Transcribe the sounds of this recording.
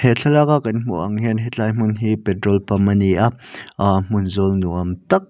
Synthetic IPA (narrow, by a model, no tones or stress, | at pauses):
hɛɬʰɐlakaʔkɐnm̥ṵʔɐ̰ŋɦɛnɦɛt͡ɬajm̥ʊnɦipɛtɾɔlpamɐniʔaʔm̥ʊnzɔlnuʔɐmt̪ɐk̚